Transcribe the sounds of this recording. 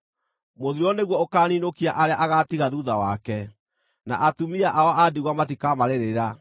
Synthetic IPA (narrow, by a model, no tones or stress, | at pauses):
moðiɾɔneɣwɔokaːninokiaʔaɾeaʔaɣatiɣaðuðawakɛ | na̰ʔatumiaʔaɔʔadiɣwamat̬ikamaɾeɾeɾa